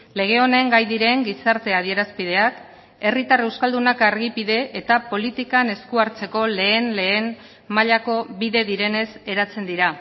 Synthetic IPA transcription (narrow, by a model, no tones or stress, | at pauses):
le̞ɣ̞e̞o̞ne̞ŋɡajðiɾe̞ŋɡisaɾt̪e̞að̞ie̞ɾaspið̞e̞ak | e̞rit̪are̞wskald̪unakaɾɣipiðe̞ʔet̪apo̞lit̪ikane̞skuaɾt͡se̞ko̞le̞ːnle̞ːn | maʎako̞βiðe̞ðiɾe̞ne̞se̞ɾat͡se̞nd̪iɾa